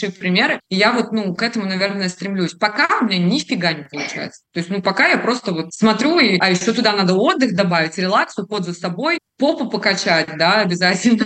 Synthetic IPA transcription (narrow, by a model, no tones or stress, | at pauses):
ʂɨfpɾʲɪmʲe̞ɾɨijavo̞t̪nukɛt̪əmʊnɐvʲe̞rnəjst̪ɾʲɪmlʲusʲpɐkamʲnʲenʲɪfʲfʲɪɡanʲɪpəlˠʊt͡ɕæ̰jɪ̰t̪sə̥t̪o̞ɪsʲtʲnupɐkajapɾo̞st̪əvo̞t̪smɐt̪ɾʲuiɐjɪɕːo̞t̪ʊd̪anad̪əo̞d̪ːɨxd̪ɐbavʲɪtʲɾʲɪlˠakt̪sɨjʊpo̞d̪zəsɐbo̞jpo̞pʊpəkɐt͡ɕætʲd̪aɐbʲɪzatʲɪlʲnə